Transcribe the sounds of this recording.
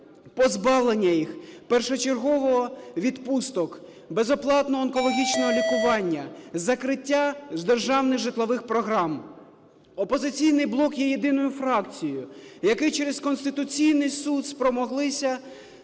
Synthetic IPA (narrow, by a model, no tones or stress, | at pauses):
pɔzbɑʋlˠenʲːɐjixpɛrʃɔt͡ʃerɦɔʋɔɦɔʋʲid̪pust̪ɔk | bezɔplˠɑt̪nɔɦːnkɔlˠɔɦʲit͡ʃnɔɦɔlʲikʊʋɑnʲːɐzɐkɾɪtʲːazd̪erʒɑwnɪɣʒɪt̪lˠɔʋɪxpɾɔɦɾɑm | ɔpɔzɪt͡sʲijnɪjblˠɔkjɛjed̪ɪnɔjʊfɾɑkt͡sʲijʊjɐkɪjt͡ʃeɾezkɔnst̪ɪt̪ʊt͡sʲijnɪjsud̪spɾɔmɔɦlˠɪsʲɐ